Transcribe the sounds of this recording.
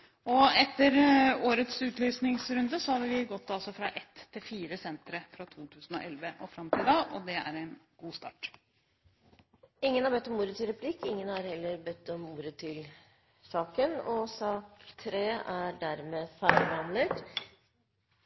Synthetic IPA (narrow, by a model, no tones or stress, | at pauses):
ɔɛt̪ːəɾoːɾət̪sʉːt̪ʰlyːsnɪŋsɾʉnd̪əsɔhɑd̪əʋɪɡɔt̪ːɑlsɔfɾɑʔɛt̪ʰːɪlfiːɾəsɛnt̪ɾəfɾɑt̪ʰuːt̪ʰʉːsn̩ɔ̰ʔɛlʋəʔɔfɾɑmt̪ʰɪld̪ɑːʔɔd̪ɛæ̰ɾæɪnɡuːst̪ɑ̰ːʈ | ɪŋːənhɑɾbɛt̪ːɔmuːɾət̪ʰɪlɾɛpʰlɪkːɪŋːənhɑɾhɛlːəɾbœt̪ːɔmuːɾət̪ʰɪl | sɑːkənɔsɑːkt̪ʰɾeːæɖæɾmeːfælʋɑnlət̪